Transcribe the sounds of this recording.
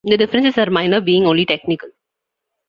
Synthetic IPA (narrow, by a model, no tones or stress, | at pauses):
d̪əɖɪfɾə̃nsɪzəɾmãɪ̃nəɾbiːɪ̃ŋɡõːnliʈeknɪkəl